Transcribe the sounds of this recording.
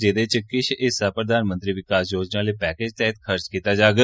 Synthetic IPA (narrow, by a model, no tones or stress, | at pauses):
d͡ʒeːd̪eːt͡ʃəkːɪʃɪsaːpɾəd̪aːnmə̃nt̪ɾiːʋɪkaːsjoːd͡ʒnãːleːpɛːkeːd͡ʒt̪ɛːɪt̪kʰəɾt͡ʃkiːt̪aːd͡ʒaːɡ